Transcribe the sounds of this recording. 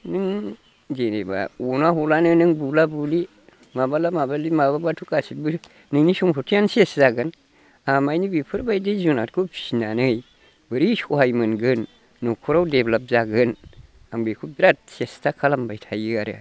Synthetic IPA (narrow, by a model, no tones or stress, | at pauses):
nɨŋ | d͡ʒeneba̰wonahulanənəŋbulabuli | mabalamabalimababatukasibɨ | nɨŋniʃumhutujanseszaɡən | amajnibipʰɨɾbaidezunat̚kopi̥ʃinanəɡəi | bəɾiʃohajmənɡənː | okʰuɾawdeblab̚zaɡən | ambekubiɾat̚sestakʰalambajtʰajiɡaɾ̰a̰